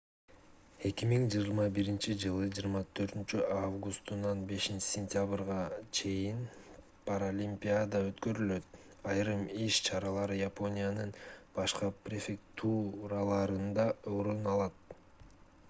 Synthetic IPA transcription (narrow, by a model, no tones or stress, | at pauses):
e̞kimiŋd͡ʒijɾmɑbiɾint͡ʃid͡ʒɯlˠɯd͡ʒiːɾmɑt̪ʰø̞ɾt̪ynt͡ʃyʔavɡust̪unɑnbe̞ʃint͡ʃi̥sʲenʲt̪ʲjabɾʁɑt͡ʃʰe̞jin | pʰaɾolʲimpʲiad̪ɑø̞t̪kø̞ɾylø̞t̪̚ | ɑjɾɯmiʃt͡ʃʰɑɾɑlˠɑɾɯjapo̞nʲijanɯnb̥ɑʃqɑprʲefʲekt̪ʰuɾalˠɑɾɯnd̪ɑo̞ɾunɑlˠɑt̪̚